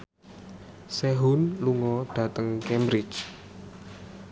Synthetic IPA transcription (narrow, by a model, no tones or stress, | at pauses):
sɛɦunluŋɔɖ̥ä̤t̪əŋkɛmbɾɪt͡ʃ